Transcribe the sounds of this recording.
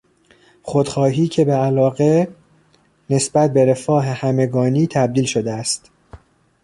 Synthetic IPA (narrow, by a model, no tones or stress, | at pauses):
χod̪̥xɒːɦiːcʰebeælɒːɣe | ne̞sbæt̪̚be̞ɾe̞fɒːɦehæme̞ɡɒːniːt̪ʰæb̚d̪iːlʃo̞d̪eæst̪